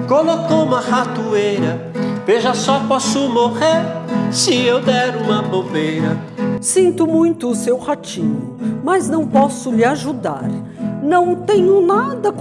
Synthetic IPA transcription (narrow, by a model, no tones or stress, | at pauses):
kolokoũmɐhat̪uejɾɐ | veʒɐsɔpɔsʊmoʁeɾsɪewd̪ɛɾũmɐbõbejɾɐsĩnt̪ʊmũj̃t̪ʊːsewhat͡ʃĩɲʊ̰mɐznɐ̃w̃pɔsʊlɪaʒud̪a̰ɾ | nɐ̃w̃t̪ẽɲʊnad̪ɐ